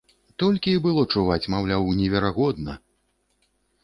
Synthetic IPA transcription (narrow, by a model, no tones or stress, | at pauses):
t̪ɔlʲkʲiːbɨlˠɔt͡ʂuvat͡sʲmawlʲawnʲɛvʲɛɾaɣɔd̪nɐ̰